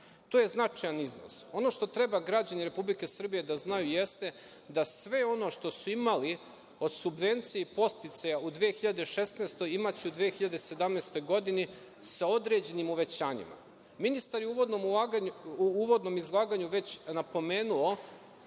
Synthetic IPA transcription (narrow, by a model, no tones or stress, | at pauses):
t̪oje̞znat͡ʂajanizno̰so̞no̞ʃt̪o̞t̪ɾe̞baɡɾad͡ʑaniɾe̞publike̞sr̩bije̞d̪aznajuje̞st̪e̞ | d̪asʋe̞o̞no̞ʃt̪o̞suimali | o̞d̪subʋe̞nt̪sijeipo̞st̪it̪sajaud̪ʋiexiʎad̪eʃe̞st̪nest̪o̞jimat͡ɕiud̪ʋiexiʎad̪ese̞d̪amneːst̪o̞jɡo̞d̪ini | sao̞d̪ɾe̞d͡ʑe̞nimuʋe̞t͡ɕaːɲḭma̰ | minist̪aɾjeuʋod̪nomaɡuʋo̞d̪no̞mizlˠaːɡaɲuʋe̞t͡ɕnapo̞me̞ːnuo̞